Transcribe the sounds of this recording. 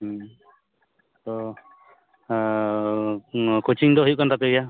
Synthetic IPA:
t̪ɔ | kot͡ʃiŋdɔɦujuʔkant̪apeɡja

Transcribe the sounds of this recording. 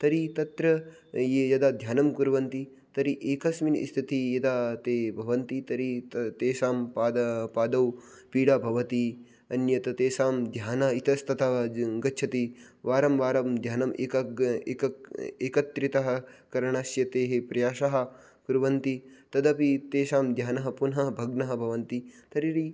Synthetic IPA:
t̪ɐɾit̪ɐt̪ɾɐ | jejɐd̪ad̪ʱjaːnɐmkuɾʋɐnt̪i | t̪ɐɾiʔeːkɐsminḭst̪ʰit̪ijɐd̪aːt̪eːbʱɐʋɐnt̪it̪ɐɾit̪eːʃaːmpaːd̪ɐpaːd̪ɐw | piːɽaːbʱɐʋɐt̪i | ɐnjɐt̪ɐt̪eːsaːmd̪ʱjaːnɐit̪ɐst̪ʰɐt̪ʰaʋɐɡɐtːt͡ʃʰɐt̪i | ʋaːɾɐmʋaːɾɐmd̪ʱjaːnɐmʔeːkɐeːkɐeːkɐt̪ːɾit̪ɐɦɐkɐɾɐɳaːʃjɐt̪eːɦepɾɐjaːʃɐɦɐ̆ | kuɾuʋɐnt̪it̪ɐd̪ɐpit̪eːʃaːmd̪ʱjaːnɐɦɐpunɦɐɦɐbʱɐɡnɐɦɐ̆bʱɐʋɐnt̪it̪ɐɾiɾi

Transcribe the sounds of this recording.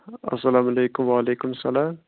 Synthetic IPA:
a̰sːalaːmalajkʊmwalejkʊmsalaːm

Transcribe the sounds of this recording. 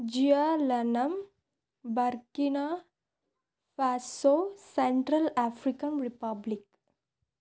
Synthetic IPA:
d͡ʒijalɐnɐm | bɐɾkina | faːsoːseɳʈɾɐlaːfɾikɐnɾipɐblik̚

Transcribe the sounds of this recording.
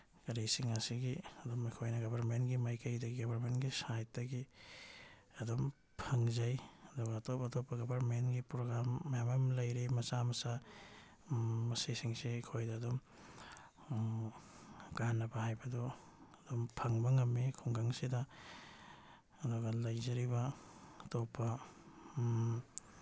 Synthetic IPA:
ɡɐɾisiŋasiɡiɐdɔmikʰojnɐɡɐbɐɾmentɡimajkɐjdɐɡiɡɐbʱaɾmentɡisajt̚dɐɡi | ɐdɔm | pʰɐŋzɐjɐdɔɡaːtopɐtopːɐɡɐbaɾmenɡipɾoɡɾamːɐjamɐmlɐjɾimɐsamɐsa | ɐsesiŋsekʰojdɐːdɔm | ɡ̥anːɐbɐhajbɐdɔː | dɔmpʰɐŋbɐŋɐmːikʰuŋɡaŋsidɐ | ɐduɡalɐjzɐɾibɐtopːɐ

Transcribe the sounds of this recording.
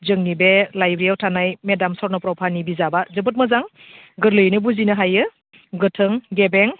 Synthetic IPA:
zɯŋnibelajbɾijawtʰanajmedamsɔɾnɔpɾɔwpʰanibizabazɯbɯt̚mɯzaŋ | ɡɯɾlɯjnɯbuzinɯɦajɯ | ɡɯtʰɯŋɡebeŋ

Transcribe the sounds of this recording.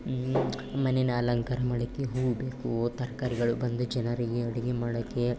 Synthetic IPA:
mɐnenaːlɐŋkaːɾɐmɐːɽɐkːeɦuːɡbeːkut̪ɐɾkaːɾiɡɐɭubɐnd̪ud͡ʒɐnɐɾiɡeɐɽiɡemaːɽɐkːe

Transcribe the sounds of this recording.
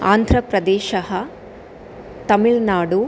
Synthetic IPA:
a̰ːnd̪ʱɾɐpɾɐd̪eːʃɐɦɐ | t̪ɐmiɭnaːɽu

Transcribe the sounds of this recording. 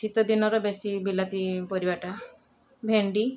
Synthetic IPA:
it̪ɔd̪inɔɾɔbesibilat̪ipɔɾibaʈa | bʱeɳɖi

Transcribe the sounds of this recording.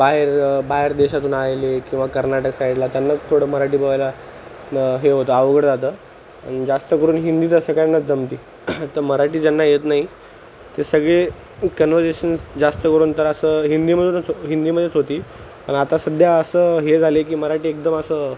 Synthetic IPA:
baɦeɾbaɦeɾd̪eɕat̪uːnajlekĩw̃ʋakəɾnaʈəksajɽlat̪janːat̪ʰoɽəːməɾaʈiːbəʋajla | ɦeɦot̪əːaʋɡəɽd͡zat̪əː | a̰ñid͡zast̪əkəɾuːnɦind̪iːt̪əsəkanːad͡zəmt̪iː | t̪əɾməɾaʈiːd͡ʑanːajet̪naɦi | t̪esəɡɭe | kənʋəɾd͡zeɕənd͡zast̪əkəɾuːnt̪əɾəsəːɦind̪iːməd̪ʱunt͡sɦind̪iːməd̪ʱjet͡sɦot̪iː | pə̰ɳat̪asəd̪ʱjaəsəːɦed͡zʱalekiːməɾaʈiːek̚d̪əməsəː

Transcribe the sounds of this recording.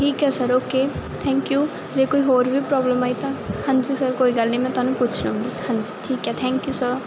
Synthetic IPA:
ʈʰikasʌɾoket̪ʰɛŋkju | d͡zekuiɦoɾʋipɾɔblemʌjt̪ʌhãnd͡zusʌɾkoiɡalnemãt̪ʌnũput͡sʰnuɦũŋɡihãnd͡zuʈʰikːat̪ʰɛŋkjusʌɾ

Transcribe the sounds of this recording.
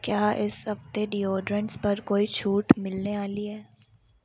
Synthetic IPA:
kjaːʔɪsɦɐft̪eɖiːɔːɖɾə̃ɳʈspɐɾkoːit͡ʃʰuːʈmɪlneaːliɦɛː

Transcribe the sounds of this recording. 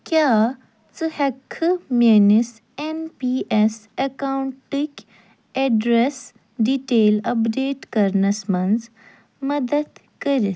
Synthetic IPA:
kjaː | t͡sɨhɐkʰɨmʲenis | enpiːʔesɐkawɳʈikʲ | eɖɾes | ɖiʈeːlɐpɖeːʈkɐɾnɐsmɐnd͡z | mɐd̪ɐd̪ | kɐɾis

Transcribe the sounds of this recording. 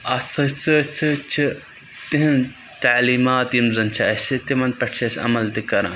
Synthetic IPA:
ɐt͡sʰɐt͡sɨt͡sʰɨt͡ʃʰi | t̪iɦ | t̪aːliːmaːt̪jimzɐnt͡ʃʰɐɐsit̪imɐnd̪̚pɐʈʰt͡ʃʰisɐ̰mɐlt̪ikɐɾã̰

